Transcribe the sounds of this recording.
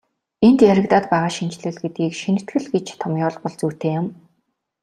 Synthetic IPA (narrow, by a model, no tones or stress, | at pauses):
ent̪jæɾɘ̆kt̪aːt̪pæːʁaːʃint͡ɕɮɘ̆ɮɡet̪̚ɡiːkʃinɘ̆t̪ɡɘ̆ɮɡet͡ɕt̪ʰɔmjʊːɮpɔɮt͡suːt̪eːjʊm